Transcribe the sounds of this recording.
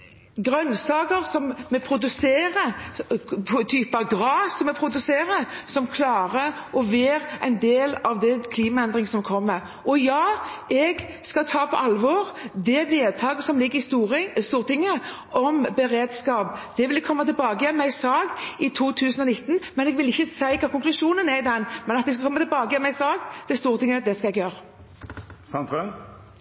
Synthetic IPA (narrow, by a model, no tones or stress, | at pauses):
ɡʁœnːsɑːɡəɾsɔmːɛpʰɾʊd̪ʉseːʁə | t̪ʰyːpɑɡɾɑːsɔmːɛpʰɾʊd̪ʉseːɾəsɔmkʰlɑːʁəʔɔʋeːʁæɪnd̪eːlɑʋd̪ɛkʰliːmɑɛnd̪ʁɪŋsɔmkʰɔmːəɾ | ʔɔjɑːɛɡ | skɑt̪ʰɑːpʰɔ̰ʔɑlʋɔːɾd̪ɛʋeːd̪̚t̪ʰɑːɡəsɔmlɪɡːəɾɪst̪uɾst̪uːʁt̪ɪŋːə | ɔmbəɾeːd̪skɑːpd̪̥ɛʋɪld̪ɛkʰɔmːɑt̪ɪlbɑːɡəjɛmɛɪsɑːɡɪt̪ʰuːt̪ʰʉːsənɔnɪt̪ːnmɛnɛɡʋɪlɪçːəsæɪkʰɾɑːkʰʊŋklʉʂuːnənæɪd̪ɛnmɛnɑt̪d̪ɛskɑkʰɔmːɑt̪ʰɪlbɑːɡəjɛmɛɪsɑːɡd̪̥ɛst̪uːʁt̪ɪŋːəd̪ɛskɑɛɡjøːɾə | sɑnt̪ʁøn